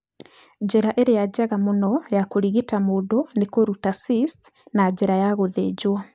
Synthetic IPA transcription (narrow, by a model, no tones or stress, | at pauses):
ɟeɾaʔeɾejaɟaɣamonɔjakoɾiɣitamodonekoɾutasist | naɟeɾajaɣoðeɟwa